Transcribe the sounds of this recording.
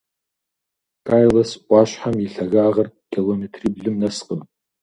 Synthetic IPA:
kʼaːjlɐsʔʷɑːɕħamjiɬɐɣaːʁɐrkʰʲilometʰriːbɮɨmnɐsqʼəm

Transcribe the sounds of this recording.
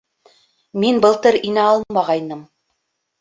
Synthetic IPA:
minbɤ̆lˠt̪ɤɾinæɑlˠmɑʁɑjnɤm

